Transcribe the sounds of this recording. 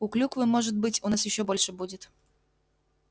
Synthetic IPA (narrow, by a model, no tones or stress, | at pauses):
uklʲukvɨmɔʐɨt̪̚bɨt͡sʲunasjɪɕːɔbɔlʲʂɨbud͡zʲɪt̪